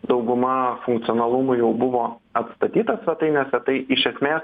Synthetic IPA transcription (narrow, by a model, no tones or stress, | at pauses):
d̪ɐʊɡʊmɐfʊŋkt̪sʲɪɔːnɐlˠʊmʊjɛʊbʊʋoːɐt̪st̪ɐt̪ʲiːt̪ɐsʲʋʲɛt̪ɐɪnʲɛːsʲɛt̪ɐɪɪʃʲɛsʲmʲeːs